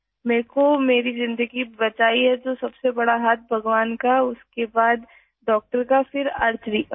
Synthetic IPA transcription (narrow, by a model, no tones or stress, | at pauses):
mɛ̃ːkomeːɾizɪ̃nd̪əɡibɐt͡ʃaːiɦɛd͡ʒoːsɐbsebɐɽaɦaːt̪̚ʰbʱɐɡʋaːnkaʊskebaːd̪ | ɖɔːk̚ʈəɾkafɪɾɐɾd͡ʒɾik